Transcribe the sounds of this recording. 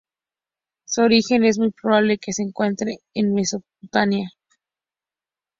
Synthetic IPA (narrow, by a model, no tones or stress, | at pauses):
soɾixe̞ne̞zmujpɾoβaβle̞kese̞ːŋkwe̞nt̪ɾeːnme̞so̞pt̪anja